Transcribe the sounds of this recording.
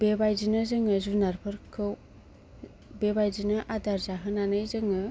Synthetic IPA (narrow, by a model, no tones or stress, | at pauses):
bebajzinɯzɯŋɯzunaɾpʰɯɾkʰɯw | bebajzinɯʔadaɾzaɦɯnanɯjzɯŋɯ